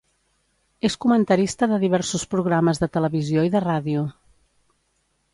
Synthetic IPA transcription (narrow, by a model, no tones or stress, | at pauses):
eskumənt̪əɾist̪əðəðiβ̞ɛɾsuspɾuɣ̞ɾaməzðət̪ələβizioiðəraðiu